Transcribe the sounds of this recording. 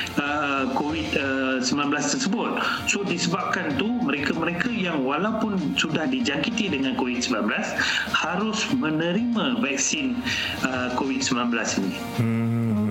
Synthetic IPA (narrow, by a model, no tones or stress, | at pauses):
ə | kowit̪̚əsəmbilanblast̪ərsəbʊt̪̚ | sodisəbap̚kant̪uməɾekaməɾekajaŋwalawpʊnsudahdid͡ʒaŋkit̪idəŋãnkowit̪̚səmbilanblashaɾʊsmə̃nə̃ɾimãvak̚sɪn | əkowid̪̚səmbilanbəlasinĩ